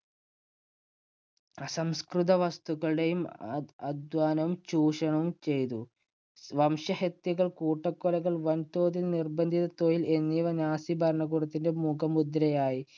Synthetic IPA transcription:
ɐsɐmskrut̪̬ɐʋɐst̪uɣɐɭɽejumɐd̪ʋaːnɐʋumt͡ɕuːʂɐɳɐʋumt͡ɕe̞jt̪̬u | ʋɐmʂɐhet̪ːiɣɐɭkuːʈːɐkːɔlɐɣɐɭʋɐnt̪o̞ːt̪ilnirbɐnd̪ʱit̪ɐt̪oːjilenːijʋɐɲaːsibʱɐɾɐɳɐɡuːɽɐt̪ːinde̞mukʰɐmud̪ɾɐjaːji

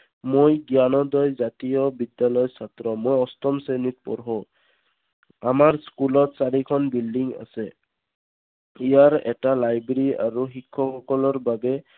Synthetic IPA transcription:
mojɡjanɔd̪ɔjzat̪ijɔbidjalɔjsatɹɔmojɔst̪ɔmsenit̚pɔ̰ɹɦɔ | amaɹskulɔt̚saɾikʰɔnbildiŋa̰sɛ | ijaɹɛ̰talajbeɹia̰ɹuxikʰːɔxɔkɔlɔɹbabɛ

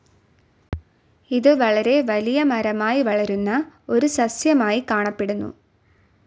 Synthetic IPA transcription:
iðɯʋɐɭɐɾeːʋɐlijɐmɐɾɐmaːjiʋɐɭɐɾɯnːɐoɾɯsɐsjɐmaːjikaːɳɐpːeɽɯnːṵ

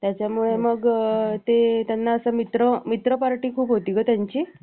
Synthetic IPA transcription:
t̪jat͡ɕjamuɭeməɡt̪et̪janːaəsəmit̪ɾəmit̪ɾəpaɾʈiːkʰuːpɦot̪iːkət̪jaɲt͡ɕiː

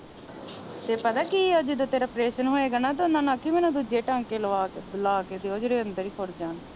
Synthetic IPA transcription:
t̪eːpət̪aːkiəd͡ʒɪd̪ət̪eːɾəpɾeːʃənɦoːeːɡaːnaːt̪̬ʊnãːnãːkimɛːnõːd̪ud͡ʒeːʈãːŋkeːləʋaːlaːkeːd̪eːoːd͡ʒeɽeːənd̪əɾiːkʰoɾd͡ʒaːn

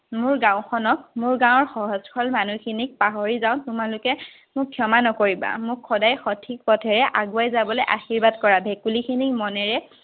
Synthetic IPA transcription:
mʊɹɡãʊ̃xʰɔnɔk̚mʊɹɡãw̃ɔɹxɔɦɔzkʰɔlmanuxʰinik̚paɦɔɹizaʊ̃tʊmalʊkɛ | mʊkʰːjɔmanɔkoɹiba̰mʊkʰːɔdajxɔtʰik̚pɔtʰɛɹɛʔaɡuajzabɔlojʔa̰xiɹbadkɔɹabʱekulikʰinikmɔnɛɹɛ

